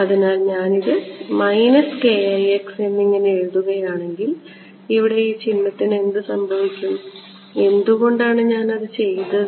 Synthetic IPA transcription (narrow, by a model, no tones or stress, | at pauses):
ɐðinaːlɲaːniðɨmɐjnɐske̞ajekse̞nːiŋːɐneeɻðuɣɐjaːɳe̞ŋɡil | iʋiɽe̞iːt͡ɕinːɐt̪ːine̞nd̪ɨsɐmbʱɐʋikʲːum | e̞nd̪uɣo̞ɳɖaːɳɨɲaːnɐðɨt͡ɕe̞jt̪ɐ